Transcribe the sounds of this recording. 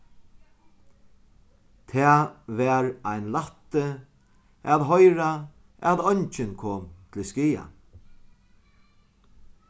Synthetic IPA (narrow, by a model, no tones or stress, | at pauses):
t̪ʰɛːʋɛːɹajnlat̪ɪ | aðɦɔjɾa | ɛðɔɲt͡ʃɪnkʰoːmt̪ʰlɪskiːa̰